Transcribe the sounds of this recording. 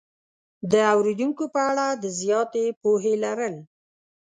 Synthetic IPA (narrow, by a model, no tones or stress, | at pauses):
d̪əawɾed̪uŋkopəaɽad̪əzjɑt̪epoɦelaɾəl